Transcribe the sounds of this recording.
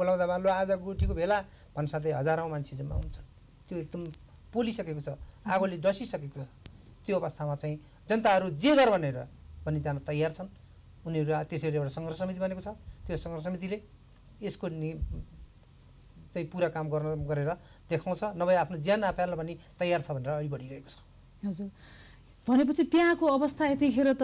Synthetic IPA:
bolawd̪abaload͡zaɡoʈikobʱela | bʱʌnsat̪leɦʌd͡zaɾãmant͡sʰed͡zʌma̰ɦṵnt͡sʰʌ̥n | t̪joek̚d̪ʌm | polisʌkekot͡sʰʌaɡoleɖʌsisʌkekot͡sʰʌ̥ | t̪joʌβʌst̪ʰamat͡saĩ | d͡zʌnt̪aɦʌɾud͡zeɡʌrbʱʌneɾʌ̰bʱʌnid͡zanʌt̪ʌjart͡sʰʌn | uniʌɾut̪esʌuɾeewʈasʌŋɡrsʌmit̪̬ibʱʌnekot͡sʰʌt̪josʌŋɡrs̬ʌmit̪̬ileː | skoni | t͡saĩpuɾakamɡʌrnʌɡʌɾeɾʌ | d̪ekʰaw̃t͡sʰʌnʌbʌjapʰnod͡zjanapʰjalmabʌnit̪ʌjart͡sʰʌbʱʌneɾʌːɽibʌɽiɾʌɦeko̥t͡sʰʌ̥ | ɦʌd͡zur | bʱʌnepʌt͡sʰit̪jãkoʌbʌst̪ʰaet̪ikʰeɾot̪ʌ

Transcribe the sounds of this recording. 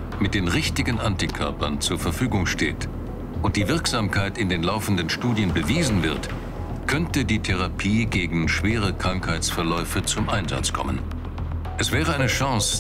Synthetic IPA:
mɪt̚d̥eːnʁɪçtɪɡn̩ʔantikʰœ̰ɐpɐnt͡suːɐfɛɐfyːɡʊŋʃtḛːt | ʔʊnt̚d̥iːvɪɐkz̥aːmkʰaɪtɪndeːnlaʊfn̩dənʃtuːdjənbəviːzn̩vɪɐt | kʰœntədiːtʰɛʁ̞apʰiːɡeːɡŋ̩ʃv̥eːʁ̞əkʁ̥aŋkhaɪt͡sfɛɐlɔʏfət͡sʊmʔaɪnza̰t͡skʰɔ̰mə̰n | ʔɛsv̥ɛːʁ̞əʔaɪnəʃãŋs

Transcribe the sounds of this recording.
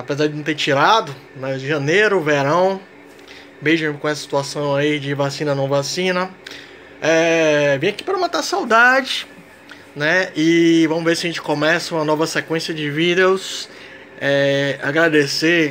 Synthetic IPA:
apezaɾd͡ʒɪnɐ̃w̃t̪eɾt͡ʃiɾad̪ʊ | nɛɪʒɐ̃neɾʊveɾɐ̃w̃ | bejʒɐ̃kõɛsɐsi̥t̪uasɐ̃w̃aid͡ʒɪvasĩnɐnɐ̃vasĩnɐ | ɛvẽj̃aki̥pɾɐũmɐ̃t̪asawd̪ad͡ʒɪ | nɛɪvɐ̃mʊzvesɪɐʒẽnt͡ʃɪ̥kõmɛsɐũmɐnɔvɐsekwẽsiɐd͡ʒɪvid̪ews | ɛa̰ɡɾad̪ese

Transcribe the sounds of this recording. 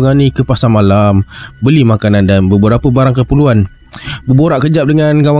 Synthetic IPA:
əŋanikəpasamalambəlimakanandanbəbəɾapəbaɾaŋkəpəluan | bəboɾaʔkəd͡ʒap̚dəŋanɡawa

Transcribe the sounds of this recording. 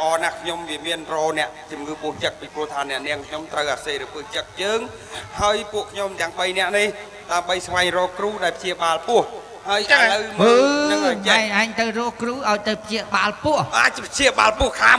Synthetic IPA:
ʔɑːnahkʰɲomʋiəmiənrɔːnɛ̆əʔt͡ɕumŋɨːpʊəht͡ɕək̚piprŭəht̪ʰaːnɛ̆əʔniəŋkʰɲomt̪rəwʔaːseːɾəpɨht͡ɕək̚t͡ɕəːŋ | haəjpuəʔkʰɲomt̪ɛ̆əŋɓəjnɛ̆əʔnih | ɗaəmɓəjsʋaɛŋrɔːkruːɗaɛlpʰt͡ɕiəɓaːlpʊ̆əh | haəjʔləwməəːmaʔaːŋt̪ɨwrɔːhkruːʔaɔjt̪ɨwpʰt͡ɕiəɓaːlpʊəhaːpʰt͡ɕiəɓaːlpŭəhkʰaː

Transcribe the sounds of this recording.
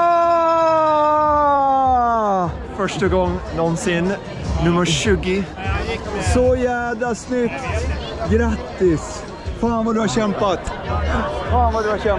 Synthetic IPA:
fœʂʈəɡɔŋːnɔnsɪn | nʉmːəʂʉːɡɪ | sɔjæːd̪asnʏkt̪ | ɡɾat̪ːɪs | faːnvad̪ʉhaɾɕɛmpat̪ | faːnɑd̪ʉaɛ

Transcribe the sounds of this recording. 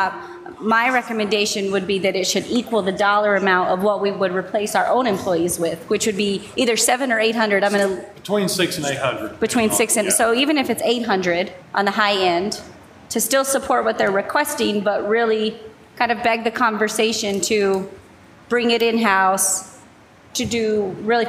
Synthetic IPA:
maɪɹɛkɨmɨ̃ndeɪʃɨ̃nwɨd̚biðɨɾɨtʃɨɾikwl̩ˠðɨdɔlˠə˞ɨmãʊ̃ntʌvwʌt̚wiwəd̚ɹipʰl̥eɪsaʊə˞ʔõʊ̃nɨ̃mpʰl̥ɔɪizwɪð̥wɨt͡ʃwɨd̚biʔiðə˞sɛvɨ̃nə˞eɪt̚ɦʌ̃ndɹɨdɾãɪ̃mɨ̃nb̥ɨtʰw̥ĩnsɪksneɪt̚hʌ̃ndɹɨd̚b̥ɨtʰw̥ĩnsɪksɨ̃nsoʊivɨ̃nɨfɨtseɪt̚ɦʌ̃ndɹɨɾʔə̃n̩ðəɦaɪɛ̃n | tʰɨstɪlˠsəpʰɔɹt̚wʌt̪̚ðə˞ɹɨkʰw̥ɛstɪ̃ŋbʌt̚ɹɪlˠi | kʰãɪ̃ndʌvbɛɡ̚ðɨkʰɑ̃ɱvə˞seɪʃɨ̃ntʰɨ | b̥ɹɪ̃ŋɨɾɪ̃nɦaʊs | tʰɨdɨɹɪlˠi

